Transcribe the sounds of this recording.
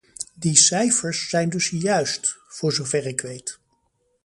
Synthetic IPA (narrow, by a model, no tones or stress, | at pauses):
disɛjfəɹsːɛjndɵsjœɥstfʊːɹzowvɛrɪkʋejt